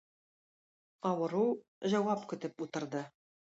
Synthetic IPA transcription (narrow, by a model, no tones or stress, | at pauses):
ɑwɤ̆ɾuw | ʑæwɑpkɵ̆t̪ɘput̪ɤ̆ɾd̪ɤ